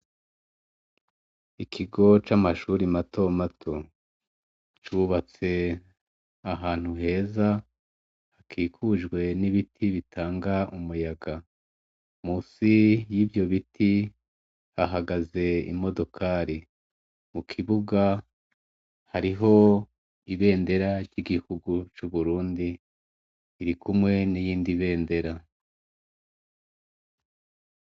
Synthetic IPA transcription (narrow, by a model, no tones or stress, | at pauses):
ikʰiɡo̞t͡ʃamaʃuɾimato̞matʰo̞ | t͡ʃuβat͡se̞ | aɦaːn̥huɦe̞ːza | hakʰiːkʰuʒɡwe̞niβitʰiβitʰaːŋɡaʔumujaɡa | muːsijiːbjo̞βitʰi | haɦaɡaze̞ḭmo̞do̞kʰaɾi | mukʰiβuɡa | haɾiɦo̞ | iβe̞ːnde̞ɾaɾɟiɡihuɡut͡ʃuβuɾuːndiː | ɾikumŋe̞nijiːndiβe̞ːnde̞ɾa